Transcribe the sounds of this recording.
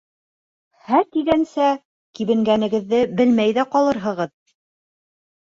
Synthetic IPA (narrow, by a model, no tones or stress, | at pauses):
hæɾt̪iɡænsæ | kiβɘ̆ŋɡænɘ̆ɡɘ̆ðːɘbɘlmæjðæqɒlˠɤɾɦɤ̆ʁɤð